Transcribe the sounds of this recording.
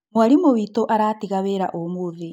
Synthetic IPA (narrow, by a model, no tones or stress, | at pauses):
mwaɾimoβitoʔaɾaːtiɣaβeɾa̰ʔomuði